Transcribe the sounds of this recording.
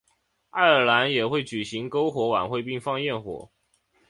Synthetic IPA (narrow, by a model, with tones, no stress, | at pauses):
a˥˩ə˞˨˥la˧˦˥njɛ˨˩xwe˥˩ɪt͡ɕy˨˩ɕi˨˥ŋko˦ʊxwɔ˧˥wa̰˨˩nxwe˥˧ɪpi˥˧ŋfɑ˥˧ŋjɛ˥˩nxwɔ̰˨˩˦